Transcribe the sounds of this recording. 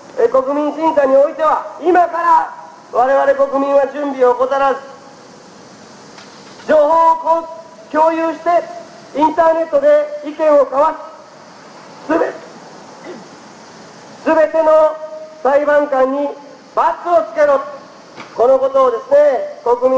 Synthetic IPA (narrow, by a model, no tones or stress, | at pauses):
eko̞kɯ̟mʲĩɲ̃ɕĩnsaɲ̟io̞it̪e̞βaimakaɾa | βaɾe̞βaɾe̞ko̞kɯ̟mʲĩɰ̃ad͡ʑɨ̃mbʲioko̞t̪aɾazɨ | d͡ʑo̞ːɦo̞ːk | kʲo̞ːjɯːɕi̥t̪e̞ | ĩnt̪aːne̞t̪ːo̞d̪e̞ikẽ̞ɰ̃o̞kaβaɕi̥ | sɨ | sɨbe̞t̪e̞no̞saibãŋkãɲ̟ːi | bakːɨot͡sɨ̥ke̞ɾoːt̪o̥ | ko̞no̞ko̞t̪o̞ːd̪e̞sɨneko̞kɯ̟mʲĩ